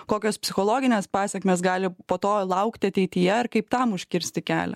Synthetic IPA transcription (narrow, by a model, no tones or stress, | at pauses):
koːkʲoːspʲsʲɪxoːlˠoːɡʲɪnʲeːspɑːsʲɛkʲmʲeːsɡɑːlʲɪpoːt̪oːlˠɐʊkt̪ʲɪɐt̪ʲɛɪt̪ʲɪjɛɐrkɐɪpt̪ɑmʊʃʲkʲɪɾʲsʲt̪ʲɪkʲæ̰ːlʲɛ̰